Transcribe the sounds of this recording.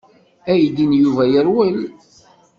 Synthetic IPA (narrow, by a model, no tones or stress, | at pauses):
æjd̪injuvæjəɾwəl